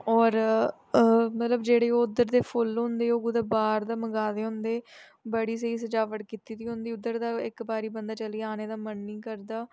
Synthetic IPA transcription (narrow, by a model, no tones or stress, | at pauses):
ɔːɾ | mət̪ləbd͡ʒeːɽeːoːʊd̪əɾd̪eːpʰʊlɦʊ̃nd̪eːoːɡʊd̪aːbaːɾd̪aːməɡaːd̪eːɦʊ̃nd̪eː | bəɽiːs̬əiːs̬əd͡ʒaːʋəʈkɪt̪iːd̪iːɦʊ̃nd̪iːʊd̪əɾd̪aːɪkbaːɾiːbənd̪aːt͡ʃəliːaːneːd̪aːmənːiːkəɾd̪aː